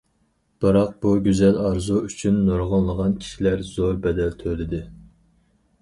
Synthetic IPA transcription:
b̥ɨɾɑq̚b̥uɡʲyzɛlɑɾzuyt͡ʃʰynːoɾʁənlˠəʁɑnkʲʰi̥ʃilæɾzoɾbɛd̪ɛlt̪ʰølɪd̪ɪ

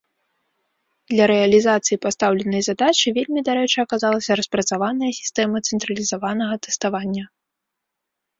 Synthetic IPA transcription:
d̪̥lʲɐɾɛɐlʲizat̪sɨjipast̪awlʲɛnɐjzad̪at͡ʃɨvʲelʲmʲid̪aɾɛt͡ʂɐkazalˠɐsʲɐɾɐspɾɐt̪savanɐjɐsʲi̥st̪ɛmɐt̪sɛnt̪ɾɐlʲizavanɐɣɐt̪ɛ̥st̪avanʲːɐ

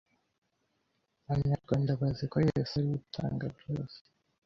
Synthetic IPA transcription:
βaɲaɾɡwaːndaβazikojeseɾiitʰa̰ːŋɡabjoːse̥

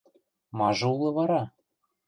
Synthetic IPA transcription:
mɑʒɤ̆ulˠɤ̆βɑɾɑ

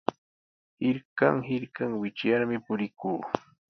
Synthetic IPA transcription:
hɪɾka̰ŋhɪɾkaŋwɪt͡ʃjaɾmɪpʊɾɪkuː

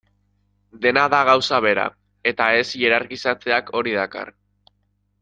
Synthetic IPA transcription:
d̪e̞naðaɣ̞awsaβ̞e̞ɾa̰ | e̞t̪ae̞sje̞ɾaɾkisat͡se̞akʰo̞ɾið̞aka̰r

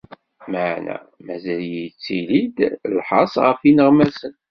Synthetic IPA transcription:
maʕnæ̰ | mæzæljit͡sːilid̪lħɑ̰sˤʁəfinəʁmæsən

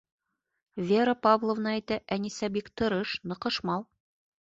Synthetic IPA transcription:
vʲeɾəpavlˠŏvnɑæjt̪æʔænisæbikt̪ɤ̆ɾɤʃnɤ̆qɤ̆ʃmɑlˠ

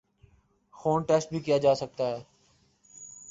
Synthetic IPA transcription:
xoːnʈɛːsʈ̚bʱiːkijaːd͡ʒaːsək̚t̪aːɦɛː

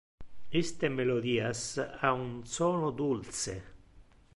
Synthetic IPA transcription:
ist̪emelod̪iːasaunsɔːnʊd̪ult̪sḛ

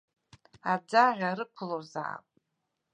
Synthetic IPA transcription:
ad͡zaʁʲaɾɨkʷʰlorza̰a̰pʼ

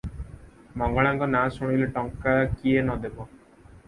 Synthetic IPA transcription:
mɔŋɡɔɭaŋkɔnasuɽ̃ileʈɔŋkakienɔd̪ebɔ

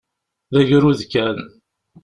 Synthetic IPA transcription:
ðæʝɾuðkæn

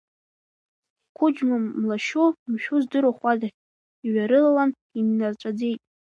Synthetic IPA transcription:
ikʷʰʊd͡ʒmamlaʃumʃᶣʊzdɨɾaχʷada | iɥaɾɨlalan | inːart͡ʃʷʼad͡ze̞jtʼ

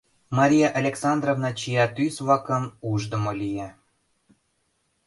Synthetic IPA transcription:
mɑɾʲijɑʔɑlʲeksɑnd̪rovnɑt͡ɕijɑt̪ysβlɑkəmuʒd̪ə̆molije

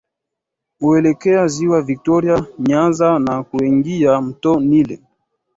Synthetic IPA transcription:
uɛlɛkɛaziwavik̚tɔɾiaɲanzanakuɛŋɡiam̩tɔnilɛ̰

